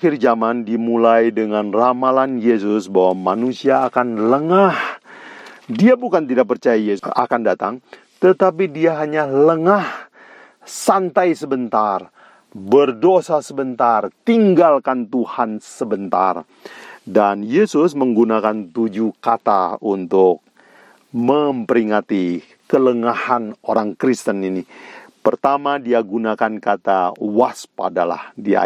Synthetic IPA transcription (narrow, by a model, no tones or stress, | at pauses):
ɪrd͡ʒamandimulajdəŋanramalanjes̬ʊsbawamanusiaːkanləŋah | diabukant̪idaʔk̚pərt͡ʃajajea̰kandat̪aŋ | t̪ət̪apidiaɦaɲaləŋah | sant̪ajsəbənt̪ar | bərdosasəbənt̪art̪iŋɡalkant̪uhansəbənt̪a̰r | danjesʊsməŋɡunakant̪ud͡ʒukat̪aunt̪ʊk̚ | məmpəɾiŋat̪i | kələŋahanoɾaŋkɾist̪əninipərt̪amadiaɡunakankat̪awaspa̰dala̰hdia̰